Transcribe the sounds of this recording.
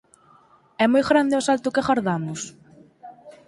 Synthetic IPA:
ɛmojɣɾand̪eɔsalt̪ʊkeɣaɾðamʊs

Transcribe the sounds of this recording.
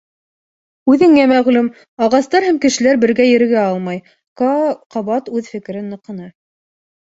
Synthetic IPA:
ʉðɘ̆ŋæmæʁlʉm | ɑʁɑst̪ɑɾhæmkɘ̆ʃɘ̆læɾbɘ̆ɾɡæjɘ̆ɾ̆ɡæɑlˠmɑj | qɑβɑt̪ʉðfɘ̆kɘ̆ɾɘnːɤ̆qɤ̆nɑ

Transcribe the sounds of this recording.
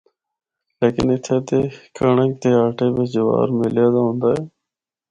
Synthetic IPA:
leːkɪnɪt̪ʰeːt̪eːkʰəɳək̚t̪eːaːʈeːbeːd͡ʒʊʋa̰ːɾmɪljeːd̪aːɦõːnd̪aːɦeː

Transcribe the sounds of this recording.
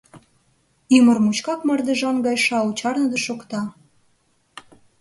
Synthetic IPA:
ymərmut͡ɕkɑkmɤ̆rd̪ə̆ʒɑnɡɑjʃɑut͡ɕɑrnə̆d̪əʃokt̪ɑ

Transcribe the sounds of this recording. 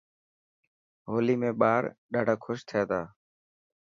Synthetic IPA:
ɦoːliːmẽːɓaːɾɗaːɖʱaːkʰʊʃt̪ʰɪjaːt̪ʰaː

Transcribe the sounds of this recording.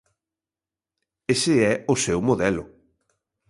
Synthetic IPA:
esɪɛʊsɛwmoðɛlʊ

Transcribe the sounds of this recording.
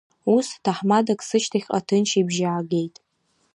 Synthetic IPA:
ustʰaħmadakʼsɨʃtʰaχʲqʼa̰tʰɨnt͡ʃʰibʒaaɡʲe̞jtʼ

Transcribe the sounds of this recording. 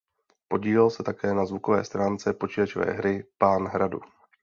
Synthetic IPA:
po̞ɟiːlɛlsɛt̪akɛːnazvuko̞vɛ̰ːst̪ɾaːnt͡sɛpo̞t͡ʃɪlat͡ʃovɛ̰ːɦɾɪpaːnɦɾadṵ

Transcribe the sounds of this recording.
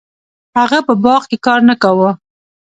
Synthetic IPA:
haɣapəbɑɣkekɑɾnakawə

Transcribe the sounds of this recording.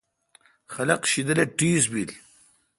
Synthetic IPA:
xɐlɐqʃid̪əleʈiːzbil

